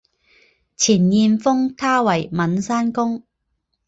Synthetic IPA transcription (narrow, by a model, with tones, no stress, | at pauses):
t͡sʰiː˨˩njiː˧nfʊ˥ŋt̪ʰaː˥wɐ˨˩jmɐ˨˥nsaː˥nkʊ˥ŋ